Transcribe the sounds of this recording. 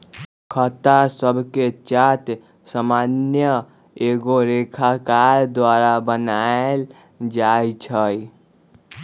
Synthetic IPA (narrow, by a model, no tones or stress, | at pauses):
kʰət̪asəbʱket͡ʃat̪ | samanjə | eɡoɾekʰakaɾd̪waɾabənael | d͡ʒajt͡ʃʰəj